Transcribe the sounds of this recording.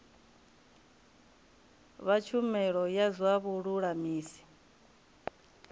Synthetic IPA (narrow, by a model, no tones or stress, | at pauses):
βat͡ʃʰumɛɺɔjazwaβuɺuɺamiːsi̥